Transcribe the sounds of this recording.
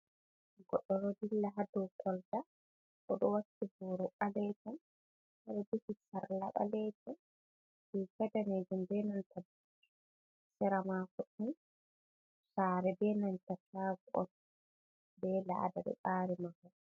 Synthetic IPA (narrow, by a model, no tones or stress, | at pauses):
ɡɔɗːɔɾɔdilːaɦadɔwkɔlta | ʔɔɗɔwatːibɔɾɔʔalɛtɔn | haɾɛduhisaɾla̰ɓa̰lɛtɔn | bɛkɛdaned͡ʒumbɛnantab | tː | sɛɾamakɔɗi | saːɾɛbɛnantataːɡuʔɔ̰n | bɛla̰daɗɛ̰ɓaɾimafɔ